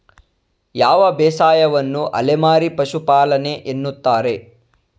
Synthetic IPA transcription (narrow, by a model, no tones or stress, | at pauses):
jaːʋɐbɛːsaːjɐʋɐnːuʔɐ̰lemaːɾipɐʃupaːlɐne̞ʔenːut̪ːaːɾe̞